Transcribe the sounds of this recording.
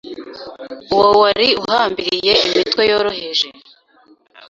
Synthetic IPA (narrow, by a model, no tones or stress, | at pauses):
uwawaɾiuɦaːmbiɾije̞imitwe̞jo̞ːɾohe̞ʒe